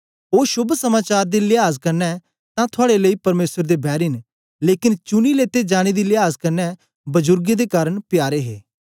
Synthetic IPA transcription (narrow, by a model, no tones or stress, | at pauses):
oːʃʊbʱsɐmaːt͡ʃaːɾd̪ilɪaːzkɐɾnɛ | t̪ãt̪ʰʊaːɽeləiːpɐɾmeːsəɾd̪ebɛːɾɪn | leːkɪnt͡ʃʊnileːt̪ed͡ʒaːɽ̃id̪ilɪaːzkɐɾnɛ | bɐzʊɾɡed̪ekaːɾəɽpjaːɾeɦḛː